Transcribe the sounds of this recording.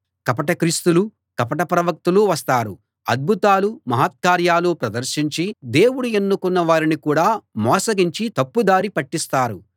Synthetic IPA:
kɐpɐʈɐkɾiːst̪ulu | kɐpɐʈɐpɾɐʋɐk̚t̪uluʋɐst̪aːɾu | ɐd̪̚bʱut̪aːlumɐɦaːt̪̚kaːɾjaːluːpɾɐd̪ɐɾʃiɲt͡ʃid̪e̞ːwuɽuenːukunːɐʋaːɾinikuːɽaːmɔːsɐɡiɲt͡ʃit̪ɐpːud̪aːɾipɐʈːist̪aːɾu

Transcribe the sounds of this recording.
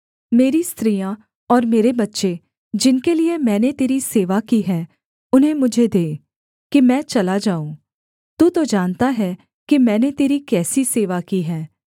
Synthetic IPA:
meːɾist̪ɾiːjã | ɔːɾmeːɾebɐtːʃe | d͡ʒɪnkeliemɛ̃ːnet̪eːɾiseːʋakiɦɛː | ʊnɦẽmʊd͡ʒʱed̪eː | kimɛ̃ːt͡ʃɐlad͡ʒaːũː | t̪uːt̪od͡ʒaːnt̪aɦɛ | kimɛ̃ːnet̪eːɾikɛːsiseːʋakiɦɛː

